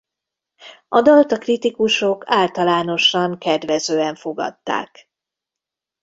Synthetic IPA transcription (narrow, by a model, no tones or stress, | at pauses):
ʔɒd̪ɒlt̪ɒkrit̪ikuʃo̞kʰaːlt̪ɒlaːno̞ʃɒŋkɛd̪ʋɛzøːɛɱfo̞ɡɒ̰t̪ːa̰ːk